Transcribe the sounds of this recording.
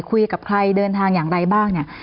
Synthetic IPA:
kʰu˧jka˨˩p̚kʰɾa˧jdɤː˧nt̪ʰaː˧ŋjaː˨˩ŋɾa˧jbaː˥˩ŋni˥˩ɐ

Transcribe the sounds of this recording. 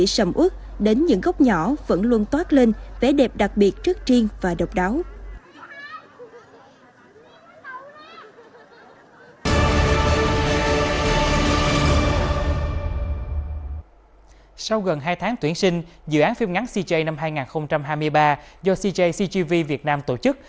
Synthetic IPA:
ḭ˧˨sə˧˩mʔu˦˥k̚ | ɗe˨˦nɲɨ̰˧˥ŋɣa˦˥wk͡p̚ɲɔ˧˩və̰˧˥nlu˧ənt̪waː˦˥t̚le˧nve˧˩˦ɗe˨˩p̚ɗa˨˩k̚ɓi˨˩ət̚t͡ɕɨ˦˥ək̚t͡ɕi˧əŋvaː˨˩ɗə˨˩wk͡p̚ɗaː˨˦w | sa˧wɣə˨˩nɦaː˧jt̪ʰaː˨˦ŋt̪wi˧˩ənsï˧ŋ̟zɨ̰˧˨ʔaː˨˦nfi˧mŋa˨˦nsi˧t͡ɕi˧ʔə˧jna˧mɦaː˧jŋaː˨˩nxə˧wŋ͡mt͡ɕa˧mhaː˧jmɨ˧əjɓaː˧zɔ˧si˧t͡ɕə˧jsi˧t͡ɕi˧vi˧vi˨˩ət̚naː˧mt̪o˧˩t͡ɕɨ˦˥k̚

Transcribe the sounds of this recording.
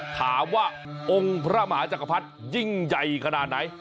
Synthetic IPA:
t̪ʰaː˩˦mwaː˥˩ | ʔo˧ŋpʰɾa˦˥maː˩˦t͡ɕa˨˩kʰa˧pʰa˦˥t̪̚ji˥˩ŋja˨˩jkʰa˧naː˨˩t̪̚na˦˥j

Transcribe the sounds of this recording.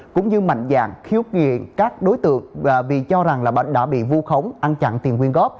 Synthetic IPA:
kʊ̰˧˥ŋ͡mɲɨ˧ma̰˧˨jŋza̰ː˧˨ŋxi˨˦əwŋḭ˧˨ənkaː˦˥k̚ɗo˨˦jt̪ɨ̰˧˨əŋŋː˨˩vi˨˩t͡ɕɔ˧za˨˩ŋlaː˨˩ɓə̰˧˨˩ɗa̰ː˧˥ɓḭ˧˨vu˧xə˨˦wŋ͡mʔa˧nt͡ɕa̰˧˨nt̪i˨˩ənkwi˧ənɣɔ˦˥p̚

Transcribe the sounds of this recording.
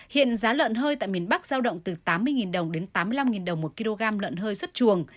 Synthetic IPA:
hḭ˧˨ənzaː˨˦lə̰ː˧˨nɦəː˧jt̪a̰ː˧˨jmi˨˩ənɓa˦˥k̚z̥aː˧wɗə̰˧˨wŋ͡mt̪ɨ˨˩t̪aː˨˦mːɨ˧əjŋi˨˩nɗə˨˩wŋ͡mɗe˨˦nt̪aː˨˦mːɨ˧əjla˧mŋi˨˩nɗə˨˩wŋ͡mmo˨˩t̚ki˧lo˧ɣaː˧mlə̰ː˧˨nɦəː˧jswə˦˥t̚t͡ɕu˨˩əŋ

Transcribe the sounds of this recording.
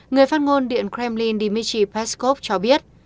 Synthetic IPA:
ŋɨ˨˩əjfaː˦˥t̚ŋo˧nɗḭ˧˨ənkɾɛ˧mli˧nɗi˧mi˧t͡ɕi˧pɛ˦˥sko˦˥p̚t͡ɕɔ˧ɓi˦˥ət̚

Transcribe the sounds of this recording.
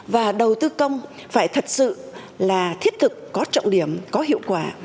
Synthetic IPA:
vaː˨˩ɗə˨˩wt̪ɨ˧kə˧wŋ͡m | faː˧˩jt̪ʰə˨˩t̚sɨ̰˧˨ | laː˨˩t̪ʰi˦˥ət̚t̪ʰɨ˨˩kːɔ˨˦t͡ɕɔ̰˧˨wŋ͡mɗi˧˩əmkɔ˨˦ɦḭ˧˨əwkwaː˧˩

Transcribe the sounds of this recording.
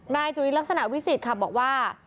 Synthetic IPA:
naː˧jt͡ɕu˧˩ɾi˦˥lk̚sa˧na˨˩ʔwi˦˥si˨˩t̪̚kʰa˧˥˩bɔː˨˩k̚waː˥˩

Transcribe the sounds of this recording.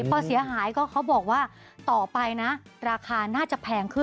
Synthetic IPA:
pʰɔː˧˩si˨˩˦ɐɦaː˩˦jkɔː˥˩kʰa˦˥wbɔː˨˩k̚waː˥˩ | t̪ɔː˨˩pa˧jna˦˥ɾaː˧kʰaː˧naː˥˩t͡ɕa˨˩pʰɛː˧ŋkʰɯ˥˩

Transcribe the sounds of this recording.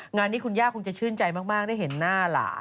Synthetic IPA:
ŋaː˧nːiː˦˥˩kʰu˧njaː˥˩kʰo˧ŋt͡ɕa˨˩t͡ɕʰɯː˥˩nt͡ɕa˧jmaː˥˩k̚maː˥˩k̚da˥˩ɦe˩˦nːaː˥˩la̰ː˩˦

